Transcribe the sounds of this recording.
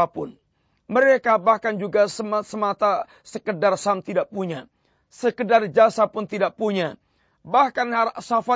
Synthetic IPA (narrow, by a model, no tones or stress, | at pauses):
apʊn | məɾekabahkand͡ʒuɡasəmsəmat̪a | səkədarsamt̪idaʔpuɲa | səkədard͡ʒasapʊnt̪idaʔpuɲa | bahkanasafa